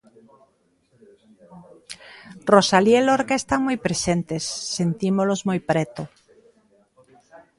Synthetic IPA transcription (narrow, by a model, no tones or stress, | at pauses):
rosaljeloɾkaest̪aŋmojpɾesent̪esːent̪imolozmojpɾɛt̪o